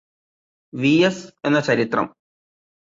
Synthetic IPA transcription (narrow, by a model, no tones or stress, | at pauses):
ʋiese̞nːɐt͡ɕɐɾit̪rɐ̰m